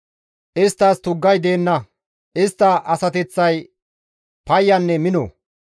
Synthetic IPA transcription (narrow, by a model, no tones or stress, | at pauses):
ʔɪst̪ːɐst̪ʊɡːɐjd̪e̞ːnːɐ | ʔɪst̪ːɐʔɐsɐt̪ɛt͡sːɐj | pɐjːɐnːɛmɪnɔ̰